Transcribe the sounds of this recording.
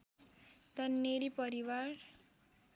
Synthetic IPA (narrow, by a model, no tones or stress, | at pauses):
t̪ʌnːeɾipʌɾiwaɾ